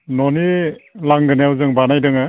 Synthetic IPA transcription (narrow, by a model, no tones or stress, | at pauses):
nɔnilaŋɡɯnajawzɯŋbanajdɯŋɯ